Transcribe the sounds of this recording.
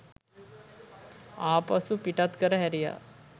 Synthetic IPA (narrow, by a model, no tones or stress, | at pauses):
aːpɐsũpiʈat̪kəɾəɦɛɾija̰